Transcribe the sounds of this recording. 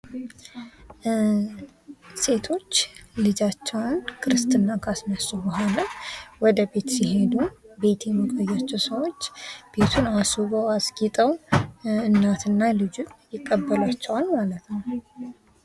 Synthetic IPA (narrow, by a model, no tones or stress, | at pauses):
se̞t̪ʰo̞t͡ʃːlɨd͡ʒat͡ʃːɛwnkʰɨɾɨst̪ɨnːakʰasnəsubəɦo̞nəwɔd̪əbe̞t̪siɦe̞d̪ube̞t̪ʰeməkʼəjːat͡ʃːɛwsəwo̞t͡ʃːb̥e̞t̪ʰunasuβəwasɡit̪ʼəw | ɨnːat̪ʰɨnːalɨd͡ʒunjɪkʼːəbːəlat͡ʃːɛwalmalət̪nəw